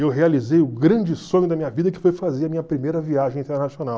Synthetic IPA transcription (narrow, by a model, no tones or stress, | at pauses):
ewɦealizejʊɡɾɐ̃d͡ʒɪsõɲʊd̪ɐmĩɲɐvid̪ɐkɪ̥fojfazeɾɐmĩɲɐpɾimejɾɐviaʒẽj̃ĩnt̪eɾnasionaw